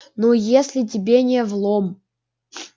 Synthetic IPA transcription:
nojesʲlʲɪt̬ʲɪbʲenʲevlˠom

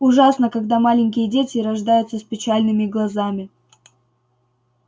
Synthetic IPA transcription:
ʊʐasnəkɐɡd̪amalʲɪnʲk̬ʲɪjədʲetʲɪɾɐʐd̪ajʊt̪səspʲɪt͡ɕalʲnɨmʲɪɡlˠɐzamʲɪ

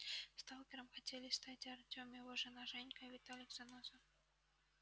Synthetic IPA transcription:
st̪alˠkʲɪɾəmxɐtʲelʲɪst̪atʲaɐrtʲomʲjɪvoʐɨnaʒɛnʲkəvʲɪt̪alʲɪkzɐnozəf

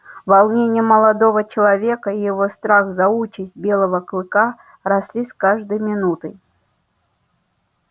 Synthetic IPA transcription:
vɐlˠnʲenʲɪjəməlˠɐd̪ovət͡ɕɪlˠɐvʲekəijɪvost̪ɾaxzɐut͡ɕɪsʲt̚ʲbʲe̞lˠəvəklˠɨka | ɾɐsʲlʲiskaʐd̪əjmʲɪnut̪ɨj

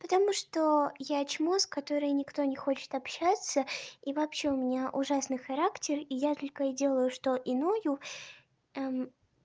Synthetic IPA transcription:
pət̪ɐmuʂt̪ojat͡ɕmoskɐt̪o̞ɾɨjnʲɪkt̪o̞nʲɪxo̞t͡ɕɪ̥t̪ɐpɕːat̪səivɐpɕe̞ʊmʲɪnʲaʔʊʐasnɨjxɐɾaktʲɪrijat̪olʲkədʲe̞lˠəjʊʂt̪o̞ʔɪno̞jʊ | am

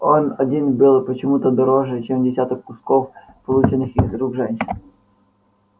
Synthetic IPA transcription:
onɐdʲinbɨlˠpət͡ɕɪmut̪əd̪ɐɾɔʐɛt͡ɕɛmdʲɪsʲat̪ɔkːʊskɔf | pɐlˠut͡ʃɪnːɨxizɾuɡʐɛnʲɕɪn

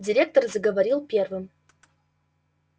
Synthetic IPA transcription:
dʲiɾʲek̚t̪orzaɡɐvaɾʲilˠpʲervɨm

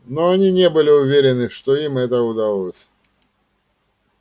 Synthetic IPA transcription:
noɐnʲinʲebɨlʲɪʊvʲeɾʲɪnɨʂt̪oimɛt̪əʊd̪ɐlˠosʲ

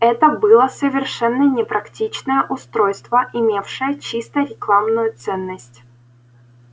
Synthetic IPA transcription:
ɛt̪əbɨlˠəsəvʲɪrʂɛnːənʲɪpɾɐktʲit͡ɕnəjəʔʊst̪ɾojst̪vəʔɪmʲe̞fʂɨjət͡ɕist̪əɾʲɪklˠamnʊjʊt̪sɛnːəsʲtʲ

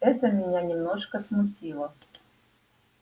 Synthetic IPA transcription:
ɛt̪əmʲɪnʲanʲɪmnoʂkəsmutʲilˠə

